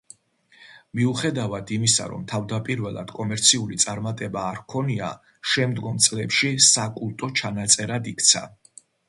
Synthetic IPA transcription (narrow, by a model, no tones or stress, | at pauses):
miuχɛd̪avad̪imisa̰ɾɔ̰mt̪ʰavd̪apʼiɾvɛlˠa̰d̪̥kʼɔmɛɾt̪sʰiulit̪sʼaɾmat̪ʼɛbaːɾkʰɔnia̰ | ʃɛmd̪ɡɔmt̪sʼlɛpʃisakʼulˠt̪ʼɔt͡ʃʰanat̪sʼɛɾad̪ikʰt̪sʰa̰